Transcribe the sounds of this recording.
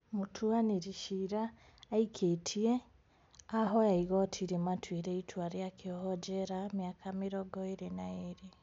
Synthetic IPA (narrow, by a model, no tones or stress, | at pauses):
mutʰuaneɾiʃiɾaː | ikʰetʰie | aɦɔjaiɣɔtʰiɾematʰwiɾeitʰwaɾjakʰeɔɦɔd͡ʒɛɾamjakʰameɾɔɡɔeɾenaeɾe